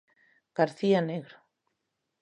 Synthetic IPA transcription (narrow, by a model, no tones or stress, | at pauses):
ɡ̥aɾθianeɣɾo